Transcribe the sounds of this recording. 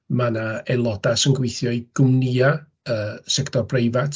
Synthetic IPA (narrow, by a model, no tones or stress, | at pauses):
manaɛlˠɔdasənɡwejθjɔiɡ̥ʊmniːa | əːsɛktʰɔrbrejvatʰ